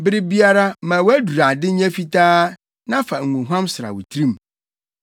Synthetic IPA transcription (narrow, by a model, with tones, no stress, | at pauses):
bɪ˦ɾɪ˦bi˦a˦ɾa˦mã˨wæ˦du˨ɾa˨dɪ˦ɲɛ̃˦fi˦tʰaː˦ | nã˦fa˨ŋ̩˨ŋũ˨ɦã˦msɪ˨ɾa̰˨wʊ˨tʰɾĩ˦m˨